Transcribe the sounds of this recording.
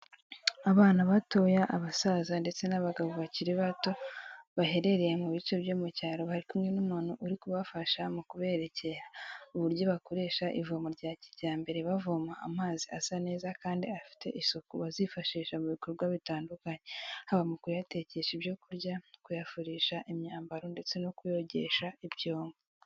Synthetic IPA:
aβaːnaβato̞jaʔːβasazande̞t͡se̞naβaɡaβoβaciɾiβato̞βaɦe̞ɾe̞ɾejemuβit͡ʃoβjoːmucaːɾohaɾikumŋenumanuʔuɾikuβafaʃamukuβe̞ɾe̞ce̞ɾauβuɾjo̞βako̞ɾe̞ːʃaʔḭvomoɾɟaːciɾɟaːmbe̞ɾe̞βavoma̰ːmaːziʔasane̞ːzakaːndiafi̥te̞̰ʔisokuβazifaʃiːʃamuβiko̞ɾbɡwaβitaːndukaɲe̞haβamukujate̞ce̞ʃibjo̞kuɾɟakujafuɾiːʃaʔimɲaːmbaɾo̞nde̞t͡se̞nokujo̞ɟe̞ʃaibjoːmɡo

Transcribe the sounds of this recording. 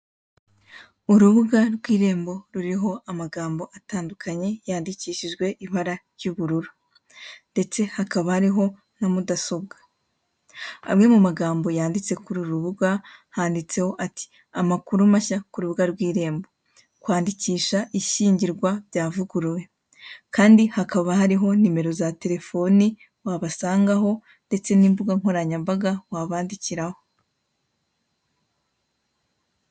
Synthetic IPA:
uɾuβuɡaɾɡwiːɾe̞ːmbo̞ɾuɾiɦo̞ʔamaɡaːmbo̞ʔataːndukʰaɲe̞jaːndiciːʃiʒɡwe̞ʔiβaɾaɾjuβuɾuɾu | nde̞t͡se̞hakaβahaɾiɦo̞ | n̥amudaso̞bɡa | a̰mŋe̞mumaɡaːmbo̞jaːndit͡se̞kuɾuɾuβuɡahaːndit͡se̞ho̞ʔati̥ | amakuɾumaʃakuɾuβuɡaɾɡwiːɾe̞ːmbo̞ | kwaːndiciːʃaʔiʃiːɲɟiɾɡwabɟaːvuɡuɾwe̞ | kaːndihakaβahaɾiɦo̞nime̞ɾo̞zate̞ɾe̞fo̞ni | waβasaːŋɡaɦo̞ | nde̞t͡se̞niːmbuɡaŋ̥o̞ɾaɲambaɡawaβaːndiciɾaho̞

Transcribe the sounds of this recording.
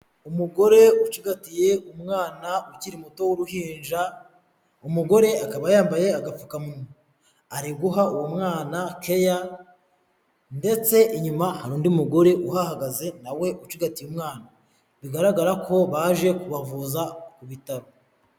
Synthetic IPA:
umuɡo̞ɾe̞ut͡ʃiɡatije̞umŋaːnauciɾimuto̞wuɾuhiːnd͡ʒa | umuɡo̞ɾe̞akaβajaːmbaje̞aɡap͡fukamuno | aɾiɡuɦauwomŋaːnakʰe̞ja | nde̞t͡se̞iɲumahaɾuːndiumuɡo̞ɾe̞ʔuɦahaɡaze̞nawe̞ʔut͡ʃiɡatijumŋaːna | βiɡaɾaɡaɾakʰo̞βaʒe̞kuβavuzakuβitaɾo

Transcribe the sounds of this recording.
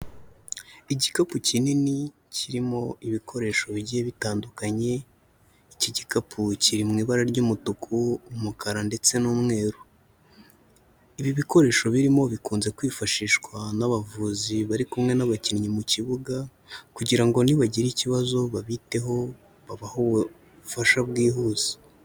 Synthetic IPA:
iɟikapucinini | ciɾimo̞iβikʰo̞ɾe̞ːʃo̞βiɟieβitaːndukaɲe̞ | iciɟikapʰuciɾimŋiːβaɾaɾɟuːmutukʰuːmukaɾande̞t͡se̞nuːmŋe̞ːɾu | iβiβiko̞ɾe̞ːʃo̞βiɾimo̞βikuːnze̞kwiːfaʃiːʃkwanaβavuːziβaɾikumŋe̞naβaciɾɲimuciβuɡa | kuɟiɾaŋɡo̞niβaɟiɾiciβazo̞βaβite̞ɦo̞ | βaβahoβu | faʃabɡiːɦuːz̥i̥

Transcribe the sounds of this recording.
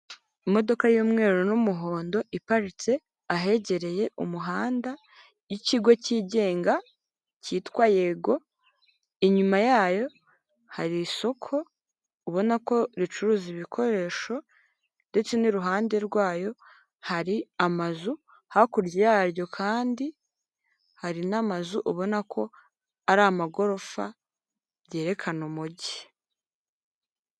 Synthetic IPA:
imo̞do̞kajuːmŋe̞ːɾonumuɦo̞ːndo̞ʔipaɾit͡se̞ | aɦe̞ɟe̞ɾe̞je̞ʔṵmuɦaːnda | jiciɡwo̞ciːɟe̞ːŋɡa | ciːtwaje̞ɡo̞ | iɲumajaːjo̞ | haɾiso̞kʰo̞ | uβo̞nako̞ɾit͡ʃuɾuːziβikʰo̞ɾe̞ːʃo̞ | nde̞t͡se̞niɾuɦaːnde̞ɾɡwaːjo̞ | haɾiamazu | hakuɾɟejaːɾjo̞kʰaːndi | haɾinamazuʔuβo̞nakʰo̞ | aɾamaɡo̞ɾo̞fa̰ | βje̞ːɾe̞kʰanumuɟi̥

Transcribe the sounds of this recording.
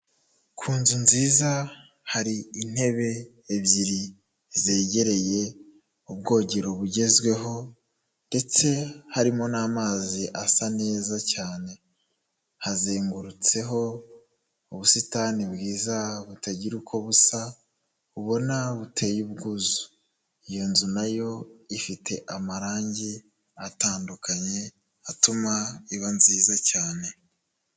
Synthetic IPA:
kʰuːnzunziːza | haɾiin̥he̞βe̞ː | βjiɾi | ze̞ːɟe̞ɾe̞je̞ | ubɡo̞ːɟeɾo̞βuɟe̞zɡwe̞ɦo̞ | nde̞t͡se̞haɾimo̞naːmaːziʔasane̞ːzacaːne̞ | hazeːŋɡuɾut͡se̞ɦo̞ | uβusitaːnibɡiːzaβutaɟiɾukʰo̞βusa | uβo̞naβutʰe̞juβɡuzu̥ | ijo̞nzunajo̞ifitʰe̞ʔamaɾaːɲɟi | ataːndukaɲe̞ | atumaiβanziːzacaːne̞

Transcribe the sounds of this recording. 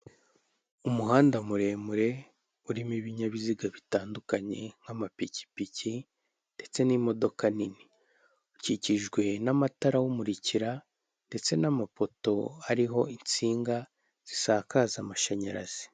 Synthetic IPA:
umuɦaːndamuɾe̞ːmuɾe̞ | uɾimiβiɲaβiziɡaβitaːndukaɲe̞ŋ̥hamapici̥pici | nde̞t͡se̞nimo̞do̞kanini | uciciʒɡwe̞namataɾawumuɾiciɾa | nde̞t͡se̞namapo̞to̞aɾiɦo̞int͡siːŋɡa | z̥isakazamaʃaɲaɾaz̥i̥

